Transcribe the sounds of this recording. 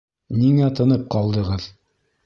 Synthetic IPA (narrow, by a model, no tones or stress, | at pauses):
niŋæt̪ɤ̆nɤp̚qɑlˠd̪ɤ̆ʁɤð